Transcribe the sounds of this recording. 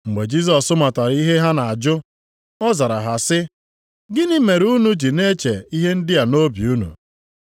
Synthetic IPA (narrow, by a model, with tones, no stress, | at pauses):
ŋ͡m̩˨ɡ͡be˨d͡ʒi˦s̬ɔ˨sʊ˦ma˨ta˨ɾi˦ɦe˦ɦa˦na˨a˨d͡ʒʊ˦ | ɔ˦za˨ɾa˨ɦa˨sɪ˦ | ɡɪ˦nɪ˦me˨ɾu˦nu˦d͡ʒi˨ne˦t͡ʃe˨i˦ɦe˦n̩˦dɪ˦a˨no˦bi˨u˦nṵ˨